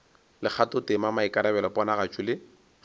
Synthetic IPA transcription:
lɪk͡xʰatʊtɪmamaikaɾɛbɛlɔpɔnaɣat͡ʃʰʼʊlɪ

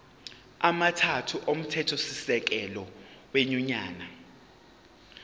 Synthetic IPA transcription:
amatʰatʰuʔom̩tʰɛtʰosisɛk̬ɛlɔweɲuɲaːna

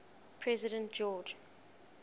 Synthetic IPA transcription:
pʰɹɛzidə̃nt̚d͡ʒɔd͡ʒ

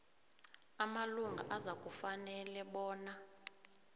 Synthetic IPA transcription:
amaluŋɡʱa̰ʔazak̬ʼufanɛlɛɓɔːna

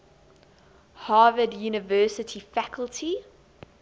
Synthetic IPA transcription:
hɑːvədjuːnɪvɜːˑsətʰifækʰəlˠtʰi

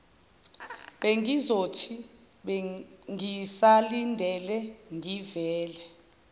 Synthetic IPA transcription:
ɓeŋizotʰi | ɓeŋisalindʱɛlɛŋʱivɛːlɛ

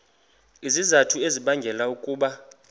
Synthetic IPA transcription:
izizatʰueziɓaŋɡʱɛlaukʼuːɓa

